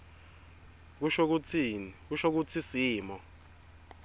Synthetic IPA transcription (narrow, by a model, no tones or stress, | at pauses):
k̬uʃok̬ut͡sʰik̬uʃok̬ut͡sʰisiːmɔ